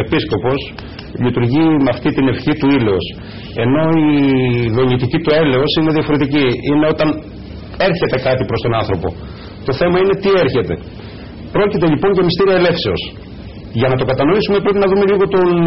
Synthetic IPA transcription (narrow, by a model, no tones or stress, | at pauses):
episko̞po̞s | ʎit̪uɾʝimɐft̪it̪ine̞fçit̪uileos | e̞no̞iðo̞ɲit̪icit̪ue̞le̞o̞sine̞ðiɐfo̞ɾe̞t̪iciine̞o̞t̪ɐn | e̞ɾçe̞t̪e̞kɐt̪ipɾost̪o̞nɐnθɾo̞po̞̰ | t̪o̞θe̞mɐine̞t̪ieɾçe̞t̪e̞̰ | pɾo̞cit̪e̞ʎipo̞ɲʝɐmist̪iɾiɐele̞fse̞o̞s | ʝɐnɐt̪o̞kɐt̪ɐno̞isumepɾepinɐðume̞ʎiɣo̞t̪on